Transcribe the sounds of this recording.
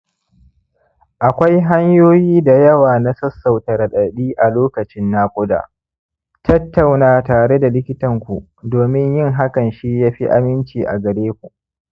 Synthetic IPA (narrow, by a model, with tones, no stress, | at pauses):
ʔa˨kʷa˦jɦa˦ɲjoː˦jiː˦da˨jɐ˦waː˨na˦sɐ˦sːa˨wtɐ˨ɾɐ˨ɗɐ˨ɗiː˦ʔa˨loː˦kɐ˨t͡ʃɪ˦nːaː˦kʷʼʊ˦da̰ː˨ | tɐ˦tːa˨wnaː˨taː˨ɽe˦da˨lɪ˦kʲɪ˦tɐ˨ŋkʷu˨ʔ | doː˨mɪ˦ɲjɪ˦ŋɦa˦kɐ˨nʃi˦jaː˦ɸi˦ʔa̰˦mɪ˦nt͡ʃiː˨ʔa̰˨ɡɐ˨ɽeː˦kʷu˨ʔ